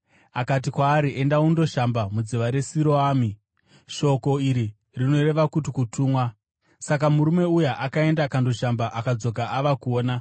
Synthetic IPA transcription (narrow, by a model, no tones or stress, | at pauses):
akatikwaːɾiʔe̞ndaundo̞ʃambamud͡ziʋaɾe̞siɾoaːmi | ʃo̞ko̞iɾi | rino̞ɾe̞ʋakut̬ikutʰuːmwa | sak̬amuɾume̞ujaʔakae̞ndakando̞ʃambaʔakad͡zo̞ɡaaʋakuoːna